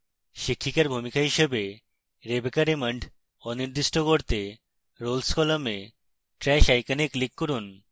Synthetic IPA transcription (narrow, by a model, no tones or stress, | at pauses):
ʃikʰːikaɾbʱumikaɦiʃebe | ɾebekaɾeməɳɖʱ | ɔniɾd̪iʃʈokoɾt̪e | ɾolskɔlome | ʈɾɛʃajkaniklikːoɾun